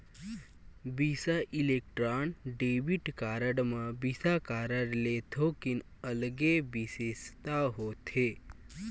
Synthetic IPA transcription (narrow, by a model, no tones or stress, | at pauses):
bisaʔilek̚ʈɾanɖebiʈkaɾəɽmabisakaɾəɽlet̪ʰokin | əlɡebisest̪aɦot̪ʰe